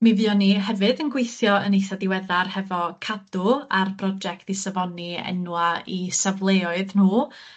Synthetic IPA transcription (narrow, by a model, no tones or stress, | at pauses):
miviːɔniɦɛvɨdənɡwejθjɔənejθadɪwɛðarhɛvɔkʰadʊarbʰrɔd͡ʒɛk̚tɪsavɔniɛ̰nwaisavlˠeɔɨðn̥uː